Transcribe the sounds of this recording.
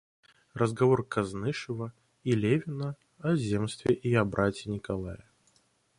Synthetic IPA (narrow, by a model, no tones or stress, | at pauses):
rʔəzɡɐvorkɐznɨʂɨvə | ilʲevʲɪnə | ɐzʲemst̪vʲɪʔiɐbɾʔatʲɪnʲɪkɐlˠajə